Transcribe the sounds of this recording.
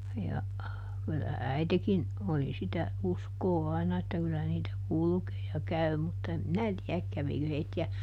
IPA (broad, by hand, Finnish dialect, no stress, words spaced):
jɑ kylːæ æitekin oli sitæ uskoː ɑinɑ etːæ kylːæ niːtæ kulkeː jɑ kæy mutːɑ em minæ tiæk kæʋikø heitːiæ